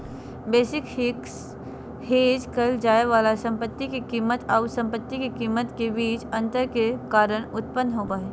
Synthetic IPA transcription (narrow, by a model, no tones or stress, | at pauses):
beːsɪkhɪk | heːd͡ʒkəld͡ʒaːeʋaːlasɐ̃mpət̪ːikikiːmət̪aʊsɐ̃mpət̪ːikikiːmət̪kebiːt͡ʃɐ̃nt̪əɾkekaːɾəɽ̃ʊt̪pənːɦoːpaːeː